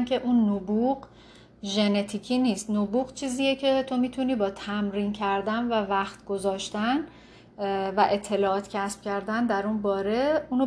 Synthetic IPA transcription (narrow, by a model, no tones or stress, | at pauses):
mke̞ʔunːobuɢ | ʒenet̪ʰiːcʰiːniːst̪nobuːɣt͡ʃʰiːziːjecʰe̞t̪ʰo̞miːt̪ʰuniːbɒːt̪ʰæmɾiːncʰæɾd̪ænvævæχt̪ɡo̞zɒːʃt̪æn | væʔe̞t̪ʰːe̞lɒːɒːt̪cʰæsb̥cʲʰæɾd̪ænd̪æɾunbɒːɾe̞uːn